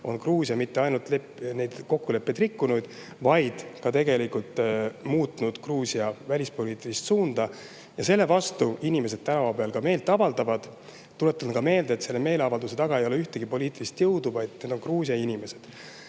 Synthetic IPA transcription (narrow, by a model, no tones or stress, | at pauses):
o̞nkruːsʲiɑmit̪ːe̞ɑjnult̪lepne̞jd̪̥ko̞kːule̞pːe̞d̪rikːunud̪̥ | vɑjd̪̥kɑt̪e̞ɡe̞likult̪ːˑmuːt̪ːˑnud̪̥kruːsʲiɑvælʲispo̞liːt̪ːˑilist̪suːnd̪̥ɑ | jɑse̞lːe̞vɑst̪uinime̞sed̪̥̚t̪ænɑvɑpeɑlkɑme̞ːlt̪ːˑɑvɑld̪̥ɑvɑd̪̥ | t̪ːule̞t̪ːˑɑnkɑme̞ːld̪et̪se̞lːeme̞ːleɑvɑld̪use̞t̪ɑɡ̥ɑejo̞leyht̪e̞ɡ̥ipo̞lʲiːt̪ːˑilist̪jɤwd̪uvɑjd̪ne̞d̪̥o̞nkruːsjɑinime̞se̞d̪̥